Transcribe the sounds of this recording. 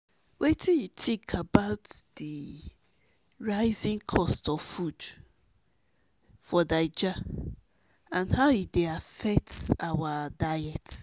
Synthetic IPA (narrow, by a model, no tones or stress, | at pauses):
wʔetʰĩnjutʰikʰabaʊtd̥i | ɹaɪzĩŋkʰɔstɔv̥fud | fɔdaɪd͡ʒa | ãnhaʊideafɛk̚tawadajɛt